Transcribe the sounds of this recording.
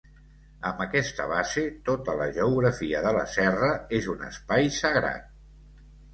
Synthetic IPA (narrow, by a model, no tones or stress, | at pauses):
əmbəkɛst̪ə̰βazet̪ot̪ələʒəuɣɾəfiəðələ̰sɛrəezunə̰spajsəɣɾa̰t̪̚